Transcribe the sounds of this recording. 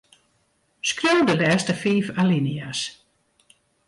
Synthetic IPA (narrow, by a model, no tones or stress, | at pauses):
skrowdəlɛːstəfiːfalinias